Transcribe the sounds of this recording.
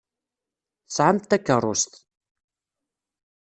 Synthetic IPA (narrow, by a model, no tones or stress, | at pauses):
θsʕamt̪ːækːərˤːʊst̪